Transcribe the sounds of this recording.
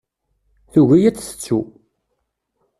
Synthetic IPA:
θuʝæjæt͡sːθə̥t͡sːu

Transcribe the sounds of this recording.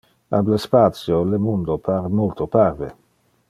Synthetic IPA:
ablespat̪sjolemund̪opʰaɾmolt̪oparvḛ

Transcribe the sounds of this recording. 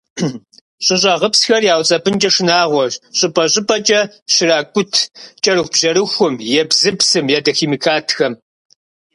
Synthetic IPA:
ɕʼɪɕ̬ʼɐʁəpsxɐrjaːwt͡sʼɐbʰɨnt͡ʃʼɐʂɨnaːʁʷɔɕʼɨpʼɐɕʼɪpʼɐt͡ʃʼɐ | ɕɪɾaːkʷʼʊtʰt͡ʃʼɐɾɨxʷbʒɐɾɨxʷʊmjɛbzɨpsɨmjaːdɐxiːmikʰaːtʰxɐm

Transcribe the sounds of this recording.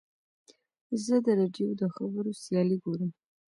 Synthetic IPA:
zəd̪əɾɑɖjod̪əxabəɾosjɑliɡoɾəm

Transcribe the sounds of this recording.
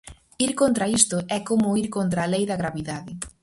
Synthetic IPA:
iɾkont̪ɾɐist̪ʊɛkomʊiɾkont̪̬ɾalejðɐɣɾaβiðaðɪ

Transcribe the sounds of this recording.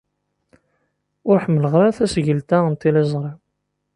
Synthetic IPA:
ʊɾħəmːələʁɾaθæsʝəlt̪æənt̪ilezˤɾˤi

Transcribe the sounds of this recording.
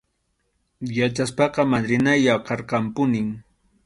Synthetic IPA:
jat͡ʃaspɑqɑmadɾɪnajaqɑɾqɑmpʊnɪŋ

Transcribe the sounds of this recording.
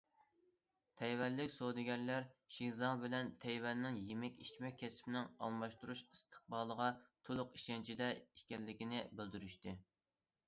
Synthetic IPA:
t̪ʰɛjwɛnlːɪkʲsod̪ɪɡʲɛnlæɾʃizɑbɪlɛnt̪ʰɛjwɛnːɪŋjemɛkʲit͡ʃmɛk̚ʲʰːɛspɪnɪŋɑ̰lˠmɑʃt̪uɾuʃist̪ʰə̥q̚bɑːlˠəʁɑt̪ʰolˠʊqiʃɛnt͡ʃʰid̪ɛikʲɛlːɪkʲinɪbɪld̪yɾyʃt̪ɨ

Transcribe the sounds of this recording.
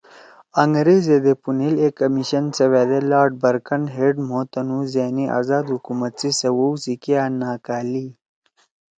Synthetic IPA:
ɐŋɡɾeːzed̪epunilekɐmiɕɐnsɐweːd̪elaːɾɖ̚bɐɾkɐnɦeɖmoːt̪ɐnuzeːniʔa̰zaːd̪hukumɐt̪̚t͡sisɐwowzikjaːnaːkaːli

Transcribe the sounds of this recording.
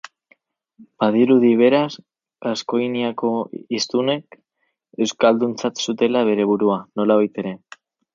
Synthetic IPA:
b̥aðiɾuð̞iβ̞e̞ɾas | asko̞jniako̞ist̪une̞k | e̞wskald̪unt͡sat̪sut̪e̞laβ̞e̞ɾe̞β̞uɾuano̞laβajt̪e̞ɾe̞

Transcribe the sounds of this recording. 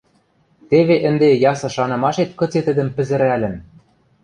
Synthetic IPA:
t̪eβeʔɘ̆nd̪ejɑsɤ̆ʃɑnɤ̆mɑʃet̪kɤ̆t͡set̪ɘ̆d̪ɘ̆mpɘ̆zɘ̆ɾælʲɘ̆n

